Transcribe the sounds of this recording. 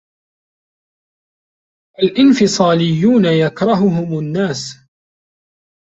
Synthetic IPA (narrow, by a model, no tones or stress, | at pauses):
ʔalʔɪnfɪsˤɑːlɪjːuːnajakɾˤɑɦʊɦʊmanːaːs